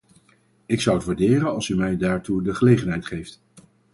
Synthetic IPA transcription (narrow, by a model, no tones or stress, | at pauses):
ɪksʌwətʋaːɹdɪːrənɑlˠsymɛjdaːɹtudəχəlejχənɦɛjtχejft